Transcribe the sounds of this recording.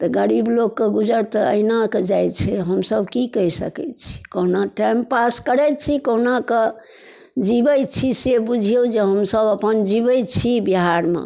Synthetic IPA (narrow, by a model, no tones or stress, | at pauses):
t̪ɔɡəɾiblokkːeɡud͡ʒəɾt̪ɔə̰inaked͡ʒajt͡ʃʰɛɦəmsəbkikəisəkɛ̰t̪t͡ʃʰi̥koɦnaʈɛmpaskəɾɛjt͡ʃʰikoɦnake | d͡ʒibət͡ʃʰisebud͡ʒʱijod͡ʒeɦəmsəbəpənd͡ʒibəjt͡ʃʰibiɦaɾmḛ